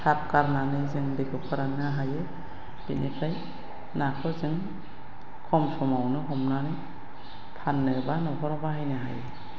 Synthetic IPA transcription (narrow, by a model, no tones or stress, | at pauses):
sʰap̚kaɾnanɯjzɯŋdekʰɯp̚kʰɯɾanɯaɦajɯ | b̥inipʰaj | nakʰɔzɯŋ | kʰɔmsɔmawnɯɦɔmnanɯj | pʰanːɯbanɔkʰɔɾɔbaɦajnɯɦaje